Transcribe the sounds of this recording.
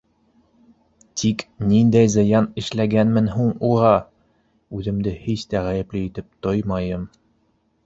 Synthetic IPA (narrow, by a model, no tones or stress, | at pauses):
t̪ʰiknind̪æjzɤ̆jɑnɘ̆ʃlæɡænmɘnɦuɴuʁɑ | ʉðɘ̆md̪ɘhiɕt̪æʁæjɘ̆plɘit̪ɘp̚t̪ojmɑjɤm